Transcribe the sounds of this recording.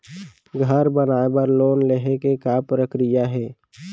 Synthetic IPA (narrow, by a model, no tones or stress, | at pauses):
ɡʱəɾbənaːebəɾloːnleɦekekapɾəkɾɪjaɦɛː